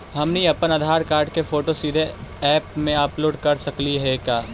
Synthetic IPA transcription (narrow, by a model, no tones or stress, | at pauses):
ɦɐmniɐpənaːd̪ʱaːɾkaːɾɖkefoːʈosiːd̪ʱeɛːpmẽaːploːɖkɐɾsɐkliɦɛkaː